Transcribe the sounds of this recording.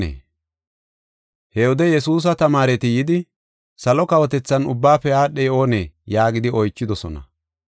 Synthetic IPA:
ḛː | hɛɔd̪ɛjɛsuːs̬ɐt̪ɐmaːɾɛt̪ɪjɪd̪ɪ | sɐlɔkɐwɔt̪ɛt͡sːɐnʊbːaːfːɛjaːɗɛjo̞ːneːjaːɡɪd̪ɪɔjt͡ʃːɪd̪ɔsɔ̰nɐ̰

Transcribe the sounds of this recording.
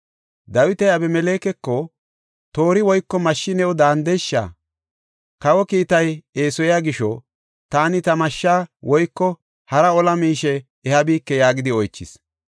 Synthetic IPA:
d̪ɐwɪt̪ɛjabɛmɛle̞ːkɛkːɔ | t̪o̞ːɾɪwɔjkːɔmɐʃːɪnɛɔd̪aːnd̪ɛjʃːa̰ | kɐwɔkiːt̪ɐje̞ːsɔjaɡɪʃɔ̰ | t̪aːnɪt̪ɐmɐʃːaːwɔjkːɔ | hɐɾɐɔlɐmiːʃɛː | hɐbiːkːɛjaːɡɪd̪ɪɔjt͡ʃːɪ̰s

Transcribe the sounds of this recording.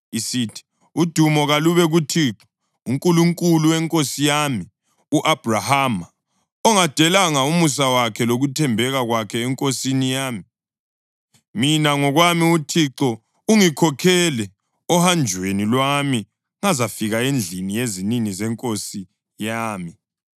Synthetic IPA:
isitʰi̥ | ud̥ʱumɔɣaluβɛɣutʰiːǁɔ̥ | uŋkʼuluŋkʼuluwɛŋkʼosijami | uʔab̥ʱrahama | ɔŋad̥ʱɛlaŋaumus̬awakʰɛloɣutʰɛmbʱɛɣaɣwakʰɛːŋkʼosinijaːmi | minaŋɔɣwamiutʰiǁɔ | uŋikʰɔkʰɛlɛ | ɔhand͡ʒʱwenilwami | ŋazafiɣaend͡ɮʱinijeziniŋizɛŋkʼosi | jaːmi

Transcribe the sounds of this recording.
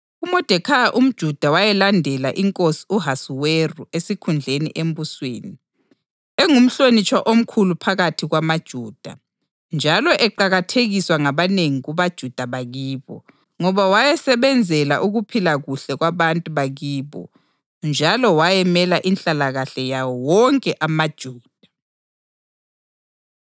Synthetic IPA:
umɔd̥ʱɛkʰajaʔum̩d̥ʒ̥ʱud̥ʱawajɛlandʱɛlaʔiŋkʼosi̥uɦasuweruesikʰund͡ɮʱenḭʔem̩busweːni | eŋum̩ɬonit͡ʃʼwaʔom̩kʰulupʰaɣatʰiɣwamad̥ʒ̥ʱuːd̥ʱa | nd͡ʒʱalɔʔɛǃaɣatʰeɣiswaŋaβaneŋiɣuβad̥ʒ̥ʱud̥ʱaβaɣiːβɔ̰ | ŋɔβawajɛsɛβɛnd͡zʱɛlaʔuɣupʰilaɣuɬɛɣwaβantʼuβaɣiːβɔ̰ | nd͡ʒʱalɔwajɛmɛlaʔinɬʼalaɣaɬɛjawɔwɔŋkʼɛʔamad̥ʒ̥ʱuːd̥ʱa

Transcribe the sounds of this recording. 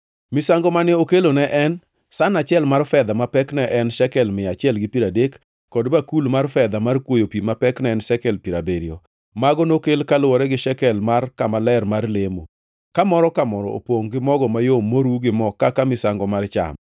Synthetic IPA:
mɪsaŋɡɔmanɪokelonɛʔɛn | sanat͡ʃɪɛlmarfɛd̪amapɛknɛʔɛnʃɛkɛlmɪat͡ʃɪɛlɡɪpiɾadekː | ɔdbakulmarfɛd̪amarkwojopimapɛknɛɛnʃɛkɛlpiɾabeɾjɔ | maɡɔnokelkalwɔɾɛɡɪʃɛkɛlmarkamalɛrmarlemo | kamɔɾɔkamɔɾɔ̰o̰poŋɡɪmɔɡɔmajomːoɾuɡɪmɔkakamɪsaŋɡɔmart͡ʃa̰m

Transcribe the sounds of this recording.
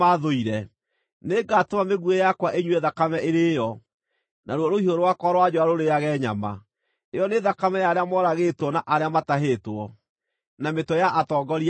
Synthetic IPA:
aðoiɾɛ | neɡatomameɣuejakwaʔeɲweðakamɛʔeɾejɔ | nʔaɾwɔɾohioɾowakɔɾwad͡ʑɔaɾoɾejaɣɛɲa̰ma̰ | ejɔneðakamɛjaɾeamɔɾaɣetwɔnaʔaɾeamataɦetwɔ | nametwɔjaʔatɔːɡɔɾi

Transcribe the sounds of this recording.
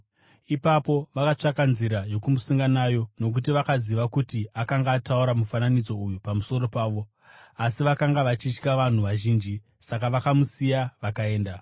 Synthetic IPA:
ipapo̞ʋakat͡ʂakanziɾajo̞kumusuŋɡanajo̞no̞k̬ut̬iʋakaziʋakutiakaŋɡaːtauɾamufananid͡zo̞ujupamuso̞ɾo̞paːʋo̞ | asiʋakaŋɡaʋat͡ʃit͡ʃkaʋan̤uʋaʒiːnd͡ʒi | sakaʋakamusijaʋakae̞ːnda

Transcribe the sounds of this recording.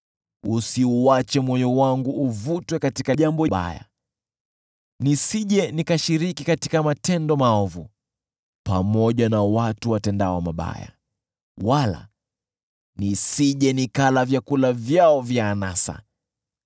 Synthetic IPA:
usiuat͡ʃɛmwɔjɔwaŋɡuʔːvutwɛkatikaʄambɔɓa̰ja̰ | nisiʄɛnikaʃiɾikikati̥kamatɛndɔmaɔvu | pamɔʄanawatuwatɛndawɔmaɓa̰ja̰ | wala̰ | nisiʄɛnikalavjakulavjaɔvjaːnasa̰

